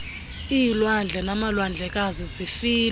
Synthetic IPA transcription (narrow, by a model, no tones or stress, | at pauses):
ijilwand͡ɮʱɛnamalwand͡ɮʱɛk̬ʼazizifiːl